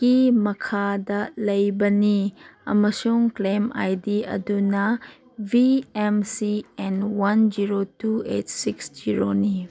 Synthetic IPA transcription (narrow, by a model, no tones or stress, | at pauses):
kimɐkʰadɐlɐjbɐniɐ̰mɐsuŋklema̰jdiɐ̰dunɐ | bʱiemsiɛnwɐnd͡ʒiɾotuetsiksd͡ʒiɾoni